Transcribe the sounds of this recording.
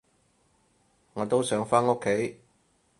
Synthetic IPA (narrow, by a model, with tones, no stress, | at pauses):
ŋɔː˨˧t̪o˥wsœː˨˥ŋfaː˥no˥kʰːe˨˥j